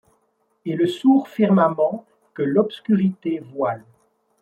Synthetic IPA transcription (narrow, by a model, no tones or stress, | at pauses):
eləsuʁfiʁmamɑ̃ | kəlɔpskʲyʁit̪evwal